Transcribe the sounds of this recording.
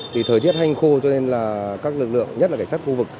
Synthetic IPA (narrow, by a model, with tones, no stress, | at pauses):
t̪ʰi˨˩əː˨˩jt̪i˦˥ət̚ha˧jŋ̟xo˧t͡ɕɔ˧ne˧nlaː˨˩kaː˦˥k̚lɨ˨˩k̚lɨ̰˧˨əŋɲə˦˥t̚a˨˩ka˧˩ŋsa˦˥t̚xu˧vɨ˨˩k̚